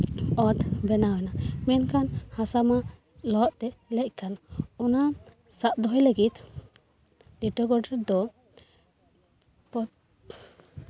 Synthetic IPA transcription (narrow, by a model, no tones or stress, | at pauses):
ɔt̪bɛnawɛnamɛnkanhasama | lɔʔt̪ɛlɛc̚kanɔna | saʔ̪̚d̪ɔɦɔjləɡit̪ | liʈɔɡɔɖɛɾd̪ɔ | pɔ